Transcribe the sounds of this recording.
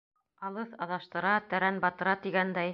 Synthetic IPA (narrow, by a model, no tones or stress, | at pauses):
ɑlˠɤθɑðɑʃt̪ɤ̆ɾɑt̪æɾænbɑt̪ɤ̆ɾɑt̪iɡænd̪æj